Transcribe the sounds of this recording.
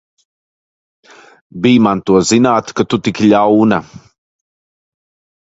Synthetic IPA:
biːmant̪uazinaːt̪kət̪ʊt̪ikiʎauna

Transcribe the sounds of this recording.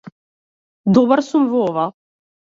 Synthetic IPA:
d̪ɔbaɾsumvɔɔva

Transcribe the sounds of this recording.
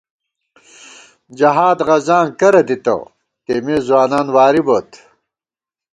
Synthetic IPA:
d͡ʑɐɦaːd̪ʁɐzaːŋkɐɾɐd̪it̪ɐ̰ | t̪eːmeːzwaːnaːnwaːɾibot̪

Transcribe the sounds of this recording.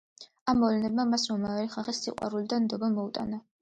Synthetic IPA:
amːɔvlɛnɛbmamasɾɔmaɛɾiχaχisːiqʼwa̰ɾulid̪and̪ɔbamɔut̪ʼa̰na

